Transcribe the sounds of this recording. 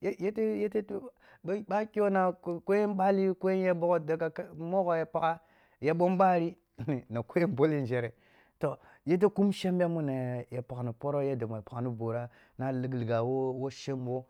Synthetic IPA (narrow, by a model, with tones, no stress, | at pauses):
je˦je˦te˦je˦te˦t | ɓa˦ki˦o˦na˨˦ko˦je˦nɓa˦li˦ko˦je˦n˦je˦ɓo˦ɡo˦da˨ka˨kmo˦ɡo˨je˨pa˨ka˦ | je˨ɓo˦mɓa˦ɾi˦˨ | ni˨na˨ko˦je˦nbo˦li˦n˨d͡ʒe˨ɾe˨ | to˨ | je˦t̬e˦ku˦mʃe˦mbe˦mu˦na˨je˨pa˨ɡa˨nu˨po˦ɾo˦je˦da˨mo˨e˨pa˨ka˨nu˦bo˨ɾa˦ | na˦li˨ɡlɡa˨wo˦wo˦ʃe˦mwo˦